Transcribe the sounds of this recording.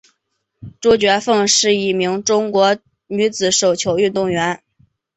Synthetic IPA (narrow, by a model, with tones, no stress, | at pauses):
ʈ͡ʂu˥t͡ɕɥɛ˧˥fɤ˥˧ŋʂɻ̩˥˧i˥˩mi˧˥ŋʈ͡ʂʊ˥ŋkwɔ˧˥ | ny˧˥t͡sɹ̩˨˩ʂo˨˩ʊt͡ɕʰjo˧˥ʊy˥˧t̪ʊ˥˩ŋɥɛ˧˥n